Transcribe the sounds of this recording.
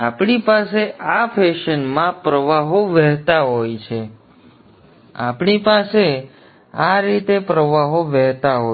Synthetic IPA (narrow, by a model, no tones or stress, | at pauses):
apɳipaseʔafʰeʃənmãpɾəʋaɦoʋɛɦt̪aɦojt͡ʃʰe | a̰pɳipase | aɾit̪epɾəʋaɦoʋɛɦt̪aɦo